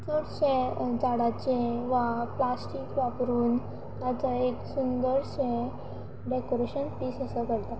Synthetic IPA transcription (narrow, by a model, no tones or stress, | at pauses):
t͡səʈɕɛ̃d͡ʑaɽat͡ɕẽʋaplasʈikʋapɾuːn | t̪at͡saeksund̪əɾɕɛ̃ | ɖekoɾeɕənpiːsəsəkəɽt̪a